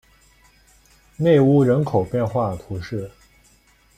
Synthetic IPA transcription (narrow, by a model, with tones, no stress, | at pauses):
ne˥˧ɪu˥˩ɻə˧˥nkʰo˨˩ʊpjɛ˥˧nxwa˥˩t̪ʰu˧˥ʂɻ̩˥˩